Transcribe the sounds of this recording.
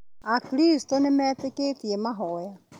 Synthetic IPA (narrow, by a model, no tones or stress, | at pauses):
akiɾisi̥tonemɛːteketiemaɦɔja